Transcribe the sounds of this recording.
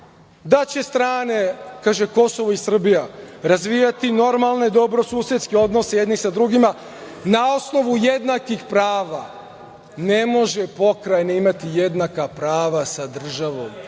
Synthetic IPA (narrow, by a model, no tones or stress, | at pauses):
d̪at͡ɕɛst̪ɾaːnekaːʒɛkosovoisr̩bijaɾazʋijat̪inoɾmalˠned̪obɾosuːsɛt̪skiod̪nosɛjed̪nisad̪ɾuɡima | naosnoʋujed̪nakʋixpɾaːʋa | nɛmoʒɛpokɾajnaimat̪ijed̪nakapɾaːʋasad̪r̩ʒaʋom